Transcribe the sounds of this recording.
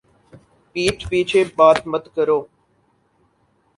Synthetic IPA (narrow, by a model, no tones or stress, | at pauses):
piːt͡ʃpiːt͡ʃʰebaːt̪mət̪kəɾoː